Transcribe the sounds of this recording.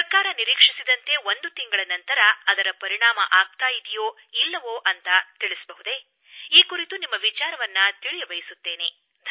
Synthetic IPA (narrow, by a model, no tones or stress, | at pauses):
pɐkaːɾɐniɾiːkʂisid̪ɐnt̪e̞ʋond̪ut̪iŋɡɐɭɐnɐnt̪ɐɾɐːd̪ɐɾɐpɐɾiɳaːmɐʔaːɡ̚t̪aːjid̪ijoː | ilːɐʋoːʔɐnt̪ɐt̪iɭisɐbɐɦud̪e̞ | iːkuɾit̪unimːɐʋit͡ʃaːɾɐʋɐnːɐt̪iɭijɐʋɐjisut̪ːe̞ːne̞ | d̪ʱ